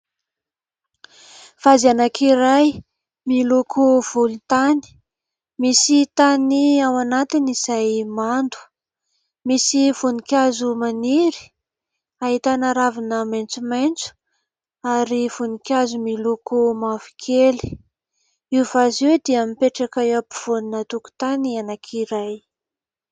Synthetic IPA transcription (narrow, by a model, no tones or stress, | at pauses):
v̥azianakʰiɾaj | milukʰuv̥ulut̪ani̥ | misit̪aniawanat̪inizajmand̪u̥ | misivunikʲazumaniɾi̥ | aɦit̪anaɾavinəmajnt͡sumajnt͡su̥ | aɾiv̥unikʲazumilukumavi̥kʰeli̥ | iuvazewd̪iamipeʈ͡ʂakajapuv̥oninət̪uku̥t̪anianakʰiɾaj